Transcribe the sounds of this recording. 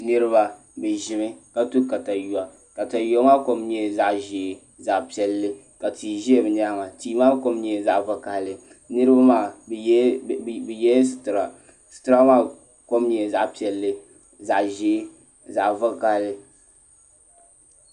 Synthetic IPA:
nɨ˦ɾɨ˦ba˦ | bɛ˨ʒɪ˨mɨ˦ka˦tu˦ka˨ta˨ju˨a˨ | ka˨ta˨jo˨˦ŋa˦ko˦mɲɛ˦za˦ʔʒeː˨ | za˨ʔpi˨ɛ˨lːɨ˦ | ka˨ti˨ʒi˦e˨bɛ˨n˦a˦ŋa˨tiː˦maː˦ko˦mɲɛ˨za˨ʔvɨ˦ka˨hlɨ˨ | nɨ˦ɾɨ˦ba˦maː˦˨˦ | bɛ˨jɛ˦sɨ̥˨tɨ˨ɾa˨ | sɨ̥˨tɨ˦ɾa˦maː˦ | ko˦mɲɛ˨za˨ʔpi˨ɛ˨lːɨ˦ | za˨ʔʒeː˦ | za˨ʔvʊ˦ka˦hlɨ˨

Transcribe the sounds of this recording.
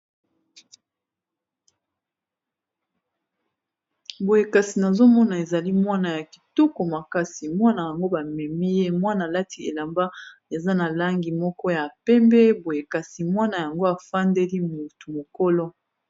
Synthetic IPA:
bo˨je˨ka˨si˨na˨zo˦mɔ˦na˨e˨za˨li˦mwa˦na˨ja˨ki̥˨tu˦ko˨ma˨ka˦si˨mwa˦na˨ja˨ŋɡo˦ba˨mɛ˨mi˦je˦mwa˦na˨la˦tʰi˦e˨la˨mba˦ | e˨za˦na˨la˦ŋɡi˨mɔ˦kɔ˦ja˨pɛ˦mbɛ˦bo˨je˨ka˨si˨mwa˦na˨ja˨ŋɡo˦a˨fa˦ndɛ˦li˦mu˨tu˨mo˨ko˦lɔ˦

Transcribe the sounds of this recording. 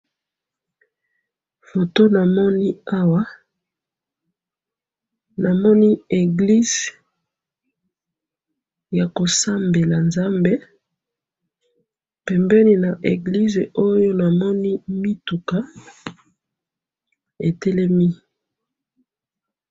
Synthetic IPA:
fo˨to˦na˨mɔ˦ni˦a˦wa˦ | na˨mɔ˦ni˦e˨ɡli˦z̥ | ja˨ko˨sa˦mbe˨la˨nza˦mbe˦ | pɛ˨mbɛ˦ni˨na˨ʔe˨ɡli˦ze˨ʔo˦jo˦na˨mɔ˦ni˦mi˦tu˨ka˦ | e˨tɛ˦lɛ˦mi˦

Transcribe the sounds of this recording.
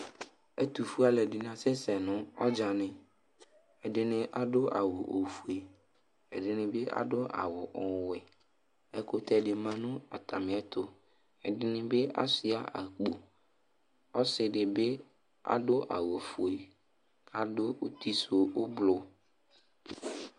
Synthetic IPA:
ɛ˦t̪u˨fu˦a˨lɛ˨dɪ˨nã˨sɪ˦sɛ˨nʊ̃˦ɔ˦d͡ʒa˨nɪ̃˨ | ɛ˨dɪ˨nɪ̃˨ʔa˨dʊ˦ʔa̰˨wʊ˨ʔo˨fu˨e˨ | ɛ˨dɪ˨nɪ̃˨be˦ʔa̰˨dʊ˦ʔa̰˨wʊ˨ʔɔ˨wɛ˨ | ɛ˦kʊ˨t̪ʰɛ˨ɖɪ˨mã˨nʊ̃˦a̰˨t̪ʰa˨mɪ̃˨ɛ˦t̪ʊ˨ | ɛ˨dɪ˦nɪ̃˦be˦a̰˦sɪ˦a˦ʔa̰˨k͡po˨ | ɔ˦sɪ˨ɖɪ˨be˦ | a̰˦dʊ˦ʔa̰˨wo˨fu˨e˨ | kʰa˨dʊ˦o˦t̪i˦so˨ʊ˦blʊ˨

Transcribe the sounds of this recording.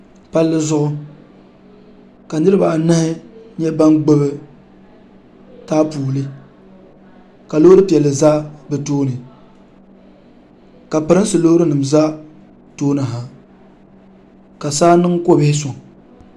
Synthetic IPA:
pa˦lːɨ˦zʊ˦ʔʊ˦ | ka˨nɨ˦ɾɨ˦ba˨nɨ˦hɪ˦ɲɛ˦ba˦ŋɡ͡bo˦bɨ˦ | taː˦puː˨lɨ˦ | ka˨lo˦ɾɨ˦pi˨ɛ˨lːɨ˨zaː˦bɛ˨toː˦nɨ˨ | ka˨pɨ˨ɾɨ˦n˦sɨ˨lo˦ɾɨ˦nɨ˨m˨za˦ | toː˦nɨ˨ɦa˨ | ka˨saː˦nɨ˦ŋko˦bɪ˦hɪ˦s̬ʊ˨ŋ˨

